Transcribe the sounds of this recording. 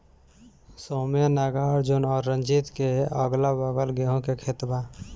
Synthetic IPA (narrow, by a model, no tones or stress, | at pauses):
soːmjanaɡaːɾd͡ʒonɔːɾːə̃nd͡ʒit̪keəɡlabəɡəlɡeɦõkekʰet̪ba